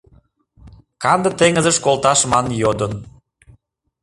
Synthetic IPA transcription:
kɑnd̪ə̆t̪eŋəzəʃkolt̪ɑʃmɑnjod̪ən

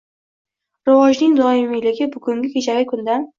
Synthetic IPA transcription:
ɾɪvɒʒnɪŋd̪ɒɪmɪlɪɡʲɪbʊɡʊŋɡʲɪkʰʲet͡ʃʰaɡʲɪkʰʊnd̪an

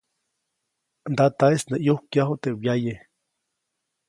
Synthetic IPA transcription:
nd̪at̪aesneʔjuhkjaɦot̪ewjaje

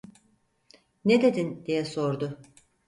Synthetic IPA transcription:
ned̪e̞d̪ind̪ijɛso̞ɾd̪ʊ

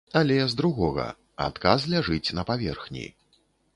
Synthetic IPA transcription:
ɐlʲɛzd̪ɾuɣɔɣɐ̰ | a̰t̪kazlʲaʐɨt͡sʲnɐpavʲɛrxnʲḭ

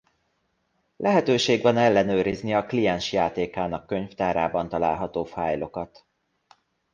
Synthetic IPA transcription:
lʔɛɦɛt̪øːʃeːɡʋɒnɛlːɛnøːɾizniɒklijɛnʃjaːt̪eːkaːnɒkːø̞ɲft̪aːɾaːbɒn̪t̪ɒla̰ːlɦɒt̪oːfaːjlo̞kɒt̪

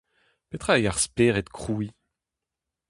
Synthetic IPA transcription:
pet̪χajaʁspeʁɛt̪kχui

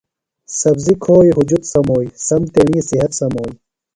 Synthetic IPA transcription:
sɐbzikʰoːjɦud͡ʑut̪sɐmoːisɐmt̪eɳiːsiɦɐt̪sɐmoːi

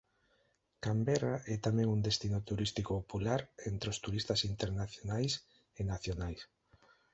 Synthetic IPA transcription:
kambɛraʔɛt̪amɛ̃ŋund̪est̪inot̪uɾist̪ikoopulaɾent̪ɾeost̪uɾist̪asint̪eɾnaθjonajs | enaθjonajs

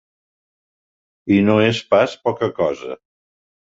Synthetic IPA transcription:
inoespaspɔkəkɔzə̰

